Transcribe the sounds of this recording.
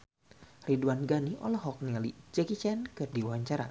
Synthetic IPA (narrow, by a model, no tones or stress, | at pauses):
riduanɡaniʔɔ̰lɔɦɔk̚niŋalḭd͡ʒɛkit͡ʃɛnkɨrdiwawaɲt͡ʃaɾa̰